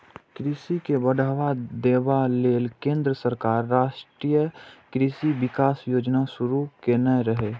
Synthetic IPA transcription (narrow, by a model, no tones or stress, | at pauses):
kɾɪsikebəɽʱaːʋad̪eːʋaleːlkẽːnd̪ɾəsəɾkaːɾːaːʃʈɾiːjəkɾɪsiʋɪkaːsjoːd͡ʒnaʃʊɾukenəjɾəɦeː